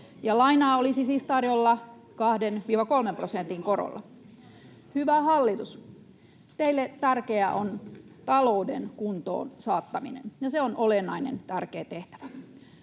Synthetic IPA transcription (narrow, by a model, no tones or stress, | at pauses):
jɑlɑinɑːolisisiːst̪ɑrjolːɑ | kɑhdenʋiːʋɑkolmemprosent̪iŋkoɾo̰lːɑ̰ | hyʋæhɑlːit̪us | t̪eilːet̪ærkeæʔont̪ɑloudenkunt̪o̰ːnsɑːt̪ːɑminḛnjɑseonolenːˑɑinḛnt̪ærkeːt̪eht̪æ̥ʋæ